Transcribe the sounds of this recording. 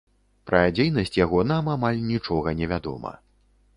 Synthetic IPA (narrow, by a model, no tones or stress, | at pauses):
pɾɐd͡zʲejn̪ɐsʲt͡sʲjaɣɔnamamalʲnʲit͡ʂɔɣɐnʲɛvʲad̪ɔ̰mɐ̰